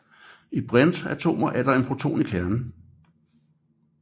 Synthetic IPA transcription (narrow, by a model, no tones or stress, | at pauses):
ib̥ʁand̥æt͡sʰo̝̰ːmɐʔæɐɾ̥ɑ̈e̝npʰʁot͡sʰo̝̰ːnikʰæɐnn̩